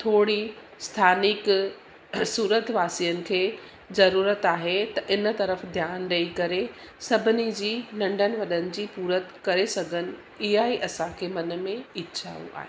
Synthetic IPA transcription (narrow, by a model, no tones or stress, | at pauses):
t̪ʰoːɽi | st̪ʰaːnɪk | suːɾət̪ʰʋaːsijənɪ̆kʰeː | zɐɾuːɾət̪aːɦet̪ɐʔɪnt̪ɐɾəfd̪ʱjaːnɾɐikɐɾe | sɐbʱɪnid͡ʑiːnɐ̃ɳɖənɪ̆ʋɐɗənɪ̆d͡ʑiːpuːɾət̪kɐɾesɐɡʱənɪ̆ | ɪɦaːiʔɐsãkʰeːmɐnmẽɪtːʃʰa̰ːṵ̃ʔa̰ːɦeː